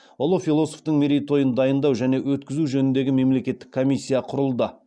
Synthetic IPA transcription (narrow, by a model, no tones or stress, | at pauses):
wolˠufʲilˠo̞so̞ft̪əɴmʲeɾʲijt̪o̞jənd̪ɑjənd̪ɑwʒæne̞wɵt̪kʲɪzuʒɵnɪnd̪e̞ɡʲɪme̞mle̞kʲe̞t̪ːɪ̥kʰːo̞mʲijsʲːijaqʰʊɾəlˠd̪ə